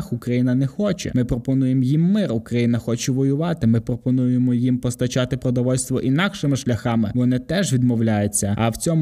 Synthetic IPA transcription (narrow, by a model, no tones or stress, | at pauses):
xukɾɐjinɐnɛxɔt͡ʃɛ̰mɪpɾɔpɔnujemjimːɪrukɾɐjinɐxɔt͡ʃɛʋɔjʊʋɑt̪ɪmɪpɾɔpɔnujemɔjimpɔst̪ɐt͡ʃɑt̪ɪpɾɔd̪ɔʋɔlʲst̪ʋɔʔinɑkʃɪmɪʃlʲɐxɑmɪʋɔnɪt̪ɛʒʋʲid̪mɔwlʲajʊt͡sʲːɐɐwt͡sʲɔmʊ